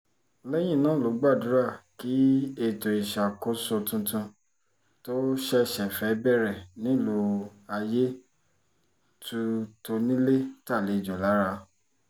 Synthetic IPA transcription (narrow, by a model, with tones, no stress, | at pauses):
lɛ˦j̃ĩ˦˨nãː˦˨lo˨˦ɡ͡ba˦˨du˨˦ɾa˦˨ki˨˦e˦˧˨to˨i˨ʃa˨ko˦so˧tũ˧tũ˧ | to˦ʃɛ˦˨ʃɛ˨fɛ˨˦bɛ˦ɾɛ˨nĩ˦˨lo˧a˧je˦ | tu˧to˧nĩ˦le˦ta˦˨le˨˧˨d͡ʒɔ˨la˨˦ɾa˧